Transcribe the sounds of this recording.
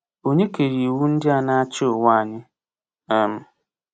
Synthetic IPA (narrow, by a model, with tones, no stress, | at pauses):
o˦ɲe˦ke˨ɾi˨wu˦n̩˦dɪ˦a˨na˦a˦t͡ʃɪ˦o˨wʷa˦a˨ɲɪ˦ | ɛ˦m̩˦